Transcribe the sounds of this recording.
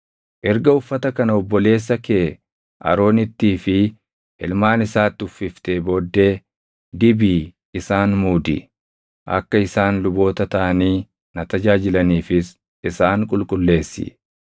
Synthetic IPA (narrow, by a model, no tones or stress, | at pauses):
ʔɛɾɡɐʊfːɐt̪ɐkɐnɐɔbːɔle̞ːs̬ːɐkeː | ʔɐ̰ɾo̞ːnɪt̪ːiːfɪ | ʔɪlmaːnɪsaːt̪ːɪʊfːɪft̪eːbɔd̪ːe̞ː | d̪ɪbiː | ɪsaːnmuːd̪ɪ̰ | ʔɐ̰kːɐɪsaːnlʊbo̞ːt̪ɐt̪ɐʔɐniː | nɐt̪ɐd͡ʒaːd͡ʒɪlɐniːfɪs | ɪsaːŋkʼʊlkʼʊlːe̞ːsːɪ̰